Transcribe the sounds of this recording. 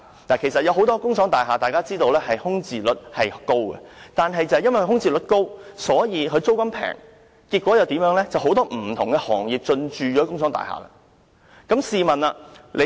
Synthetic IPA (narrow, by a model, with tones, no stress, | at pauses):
naː˨˩kʰe˨˩js̬ɐ˨t̚jɐ˨˧wɦo˨˧˥wt̪ɔː˥kʊ˥ŋsʰɔː˨˥ŋt̪aː˨jɦaː˨t̪aː˨jkaː˥t͡siː˥t̪o˧wlɛː˥hɐ˨jhʊ˥ŋt͡siː˨lɵ˨˥t̚hɐ˨jko˥wkɛ̰˨t̪aː˨nɦɐ˨jt͡sɐ˨hjɐ˥nwɐ˨˩kʰhʊ˥ŋt͡siː˨˩lɵ˨˥t̚ko˥wsɔː˨˥jiː˨˧kʰɵ˨˧ɥt͡so˥wkɐ˥mpʰɛ̰ː˨˩ŋ | kiː˧t̚kwɔː˨˥jɐ˨˧wt̪iː˨˥mjœː˨˥ŋlɛː˥t͡sɐ˨wɦo˨˥wt̪ɔː˥m̩ː˨˩t̪ʰʊ˨˩ŋɡɛ˧hɔː˨˩ŋjiː˨p̚t͡ʃɵ˧nt͡ʃyː˨jɔː˨˥kʊ˥ŋsʰɔː˨˥ŋt̪a̰ː˨˩ha̰ː˨˩la̰˧˥ | kɐ˨˥msiː˨mɐ˨na˧lʔe˨˧